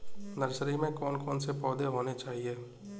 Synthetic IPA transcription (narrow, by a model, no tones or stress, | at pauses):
nɐɾsəɾimẽkɔːnkɔːnsepɔːd̪eɦoːnet͡ʃaːɦieː